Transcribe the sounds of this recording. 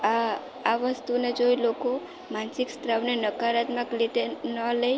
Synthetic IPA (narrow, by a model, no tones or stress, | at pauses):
aʋəst̪uned͡ʒoiloko | mansikst̪ɾaʋnenəkaɾat̪məklit̪enəlej